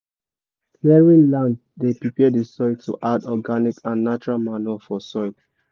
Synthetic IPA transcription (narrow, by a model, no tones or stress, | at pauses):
lɛɹĩnlãnd | depɹipɛdisɔɪtʰuʔadɔɡanikʰãnːat͡ʃuɹalmanuafɔsɔɪl